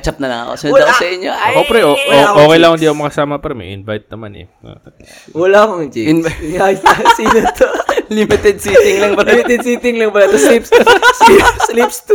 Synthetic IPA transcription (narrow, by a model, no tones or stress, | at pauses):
t͡ʃɐp̚nɐnɐ̰ɐ̰kosɪnw̪akosɐʔɪɲːoʔopɾɛʔoʔoʔoːkɛjlɐŋhɪnd̪iːɐkomɐkɐsaːmɐpɐɾɐmḛʔɪ̰nvajt̪̚nɐmanɛ̰ | wɐlaɐkoŋɪd͡ʒiŋajt̪ɐsiːnɐt̪olimɪt̪ɛd̪̚siːt̪ɪŋlɐŋpɐmɪɛd̪siːt̪ɪŋlɐŋpɐlɐt̪oslipssliplipst̪